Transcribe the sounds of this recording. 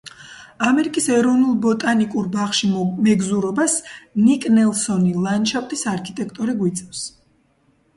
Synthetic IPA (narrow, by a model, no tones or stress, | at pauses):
amɛɾikʼisɛɾɔvnulˠbɔt̪ʼanikʼuɾbaχʃimɛɡzuɾɔbasnikʼnɛlˠsɔnilˠanʃʰaft̪ʼisaɾkʰit̪ʼɛkʰt̪ʼɔɾiɡwit̪sʼɛfs